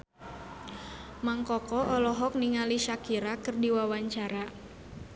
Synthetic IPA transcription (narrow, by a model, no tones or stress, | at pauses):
maŋkɔkɔʔɔlɔɦɔk̚niŋaliʃakiɾakɨrdiwawaɲt͡ʃaɾa